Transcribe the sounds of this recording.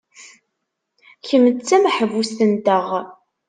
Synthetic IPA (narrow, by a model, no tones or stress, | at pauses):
çəmːət͡sːæmħəvust̪ənt̪əʁ